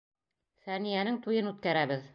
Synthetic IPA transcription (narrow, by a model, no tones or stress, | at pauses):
fænijænɘŋt̪ujɤnʉt̪̚kæɾæβɘð